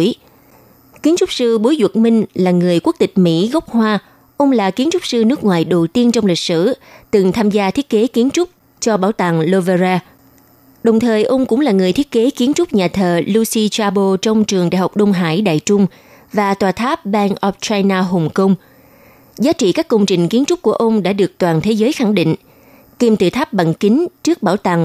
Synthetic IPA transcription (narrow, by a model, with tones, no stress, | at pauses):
j | ki˨˦ənt͡ɕʊ˦˥k͡p̚sɨ˧ɓo˨˦jzwə˨˩t̚mï˧ŋ̟laː˨˩ŋɨ˨˩əjkwu˦˥ək̚t̪ï˨˩k̟̚mḭ˧˥ɣɔ˦˥k͡p̚hwaː˧ | ʔə˧wŋ͡mlaː˨˩ki˨˦ənt͡ɕʊ˦˥k͡p̚sɨ˧nɨ˦˥k̚ŋwaː˨jɗo˨˩wt̪i˧ənt͡ɕɔ˧wŋ͡mli˨˩k̚sɨ̰˧˩t̪ɨ˨˩ŋt̪ʰaː˧mzaː˧t̪ʰi˦˥ət̚ke˨˦ki˨˦ənt͡ɕʊ˦˥k͡p̚ | t͡ɕɔ˧ɓaː˧˩wt̪a̰ː˧˨ŋlo˧və˧zaː˧ | ɗə˨˩wŋ͡mt̪ʰəː˨˩jʔə˧wŋ͡mkʊ̰˧˥ŋ͡mlaː˨˩ŋɨ˨˩əjt̪ʰi˦˥t̚ke˨˦ki˨˦ənt͡ɕʊ˦˥k͡p̚ɲaː˨˩t̪ʰəː˨˩lu˧si˧t͡ɕaː˧ɓo˧t͡ɕɔ˧wŋ͡mt͡ɕɨ˨˩əŋɗa̰ː˧˨jɦa˨˩wk͡p̚ɗə˧wŋ͡mɦa̰ː˧˥˩jɗa̰ː˧˨jt͡ɕʊ˧ŋ͡m | vaː˨˩t̪waː˨˩t̪ʰaː˦˥p̚ɓaː˧nʔɔ˦˥p̚t͡ɕaː˧jnaː˧ɦo˨˩ŋ͡mkə˧wŋ͡m | zaː˨˦t͡ɕḭ˧˨kaː˦˥kːə˧wŋ͡mt͡ɕï˨˩ŋ̟ki˨˦ənt͡ɕʊ˦˥k͡p̚ku˧˩əʔə˧wŋ͡mɗa̰ː˧˥ɗɨ˨˩ək̚t̪waː˨˩nt̪ʰe˨˦zəː˨˦jxa˧˩ŋɗḭ̈˧˨ŋ̟ | k̪i˧mt̪ɨ˨˩t̪ʰa˦˥p̚ɓa̰˧˨nkï˨˦ŋ̟t͡ɕɨ˦˥ək̚ɓaː˧˩wt̪a˨˩ŋ